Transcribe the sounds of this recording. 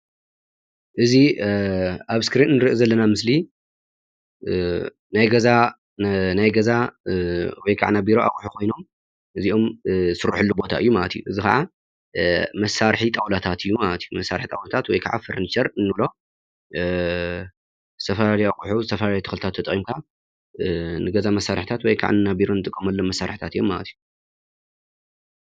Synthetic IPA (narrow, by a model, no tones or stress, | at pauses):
ʔɨzi | ʔaβskɾinnɨɾɨʔizɐlːɐnamɨsli | najɡɐza | najɡɐza | wɔjkʰaʕanabiɾoʔa̰kʼuħukʰo̞jno̞m | ʔɨziʔo̞msɨɾːuħɨlːubo̞t̪ʰa̰ʔɨjːumalɐt̪ʰijuʔɨzixɐʕa | mɐsaɾħit̪ʼawlat̪ʰat̪ɨjːumalɐt̪jumɐsːaɾħi̥t̪ʼawlat̪ʰat̪wɔjkʰa̰ʕa̰fɨɾnit͡ʃɐɾɨnːɨlo̞ | zɨt̪ʰɐfɐlaljakʼuħuzɨt̪ʰɐfɐlaljt̪ɨ̥xlɨt̪ʰat̪ʰːɐt̪ʼχʼimkʰa | nɨɡɐzamɐsːaɾħt̪ʰat̪wɔjkʰa̰ʕanɨnabiɾo̞nɨt̪ʼɨkʼːɐmɐlːomːɐsːaɾħi̥t̪ʰat̪ɨjːomːalɐ̰t̪ju